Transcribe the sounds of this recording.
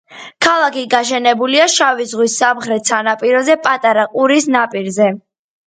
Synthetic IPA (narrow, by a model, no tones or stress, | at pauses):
kʰalˠakiɡaʃ̬ɛnɛbuliaʃavizʁwisːamχɾɛt̪ʰsanapʼiɾɔzɛpʼat̪ʼaɾaqʼuɾisnapʼiɾzɛ